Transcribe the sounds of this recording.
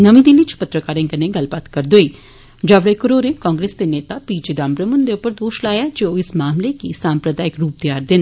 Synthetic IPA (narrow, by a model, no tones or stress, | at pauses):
nəʋĩd̪ɪnĩt͡ʃpət̪ɾəkaːɾẽŋkəneɡəlbaːt̪kəɾd̪oiː | d͡ʒaʋɽekəɾoːɾẽkɔ̃ːŋɡɾeːsd̪eneːt̪apiːd͡ʒed̪ãːmpɾəmʊnd̪eʊpːəɾd̪oːʃlaːjaːd͡ʒoːɪsmaːmlekisãːmpɾəd̪aːɪkɾuːp̚t̪ɪjaːɾd̪ɪn